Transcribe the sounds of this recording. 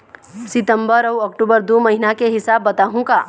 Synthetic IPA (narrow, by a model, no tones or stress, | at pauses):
sɪt̪ə̃mbəɾɐwɔːkʈubəɾd̪oːmɐɦinakeɦɪsaːbːɐt̪aːɦũkaː